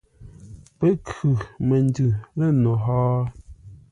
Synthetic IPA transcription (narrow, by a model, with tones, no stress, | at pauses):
pe˦kʰʉ˨me˨n˦dʉ˨lɛ˦˨no˨ɦɔː˦